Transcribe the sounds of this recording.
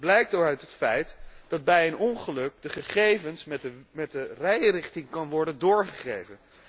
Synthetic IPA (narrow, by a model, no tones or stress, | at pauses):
blɛjk̚toɹœɥtətfɛjtd̥ɑd̚bɛjənɔnχəlɵk̚dəχəχejvənsmɛt̚dərɛjrɪχtɪŋkɑnʋɔɹdəndʊːɹχəχejvən